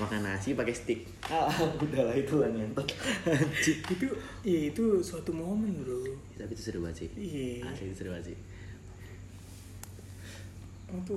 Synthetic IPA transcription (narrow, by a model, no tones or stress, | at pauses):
makanasipakɛst̪ɪk̚ | abudalait̪ulanant̪ɔ | t͡ʃiit̪u | iait̪usuat̪umomɛndojt̪apit̪usəɾuba̰sḭijaa̰sait̪usəɾubasḭ | ut̪u